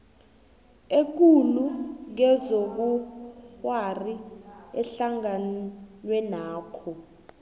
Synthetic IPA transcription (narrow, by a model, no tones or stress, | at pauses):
ek̬uluk̬ɛzok̬uwariɛɬaŋanwɛnaːkʰɔ